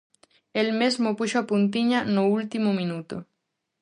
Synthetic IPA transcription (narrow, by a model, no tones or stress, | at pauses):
elmezmopuʃoapunt̪̬iɲanoult̪imomĩnut̪o